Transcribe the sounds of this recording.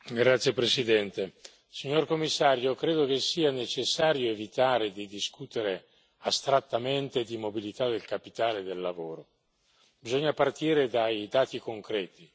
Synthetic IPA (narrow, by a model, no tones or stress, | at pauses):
ɡɾat̪sːjepɾesid̪ɛnt̪e | siɲorkomːisːaːɾjokɾeːd̪okesːiːanet͡ʃesːaːɾjoevit̪aːɾed̪id̪iskut̪eɾe | ast̪ɾat̪ːament̪ed̪imobilit̪ad̪elkapit̪aːled̪elːavoːɾo | bizoɲːapart̪iːɾed̪ajd̪aːt̪ikoŋkɾɛːt̪i